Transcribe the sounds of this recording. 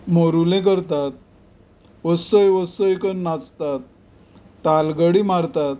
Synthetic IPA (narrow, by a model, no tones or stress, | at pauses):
moɾulẽk̬əɾt̪at̪̚ | əsəjʋəsəjkənnat͡st̪at̪̚ː | alɡəɽimaɾt̪at̪̚